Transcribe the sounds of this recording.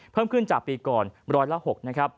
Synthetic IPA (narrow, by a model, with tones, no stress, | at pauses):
pʰɤː˥˩mkʰɯ˥˩nt͡ɕaː˨˩k̚piː˧kɔː˨˩nɾɔː˦˥jla˦˥ho˨˩k̚na˦˥kʰɾa˦˥p̚